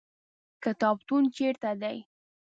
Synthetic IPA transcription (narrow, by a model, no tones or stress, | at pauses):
kət̪ɑbt̪unt͡ʃeɾt̪ad̪aj